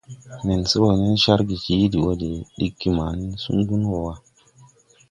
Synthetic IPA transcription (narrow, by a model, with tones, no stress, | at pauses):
ne˨nse˦wo˨ne˦nʃa˦ɾɡi˨ki˨˦di˨wo˦de˨ɗi˦kːi˦ma˨ni˦sṵ˦nɡu˦nwo˨wa˦